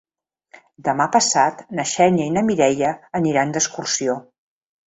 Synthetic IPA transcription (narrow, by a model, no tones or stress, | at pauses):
d̪əmapəsat̪nəʃɛɲəinəmiɾɛjəːniɾand̪əskursio